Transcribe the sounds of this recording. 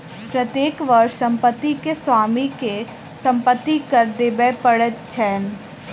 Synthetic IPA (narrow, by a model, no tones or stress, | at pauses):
pɾət̪jeːkʋɐɾʃsɐ̃mpət̪ːikeswaːmike | sə̃mpət̪ːikəɾd̪ebɛpəɽət̪t͡ʃʰɛːn